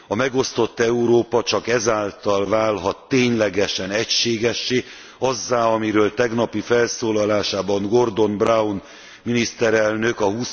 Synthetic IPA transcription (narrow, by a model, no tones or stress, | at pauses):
ɒmɛɡo̞st̪o̞t̪ːɛuɾoːpɒt͡ʃɒkɛzaːlt̪ɒlvaːlɦɒt̪ːeːɲlɛɡɛʃɛnɛcʃeːɡɛʃːeː | ɒzːaːɒmiɾøːlt̪ɛɡnɒpifɛlsoːlɒlaːʃaːbɒŋɡo̞rd̪o̞nbraun | minist̪ɛɾɛlnøkɒɦuːs